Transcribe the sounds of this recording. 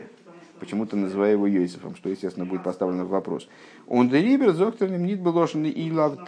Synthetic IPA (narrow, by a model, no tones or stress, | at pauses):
pət͡ɕɪmut̪ənəzɨvajʊjɪvojojsə̥fə̰mʂt̪o̞jɪsʲtʲest̪ʲɪnəbudʲɪt̪̚pɐst̪avlʲɪnəvːɐpɾo̰s | ond̪ɨɾʲibʲɪrt̪zokt̪əɾnʲɪmnʲit̪̚bɨlˠoʐɨnːɨʔilˠavd̪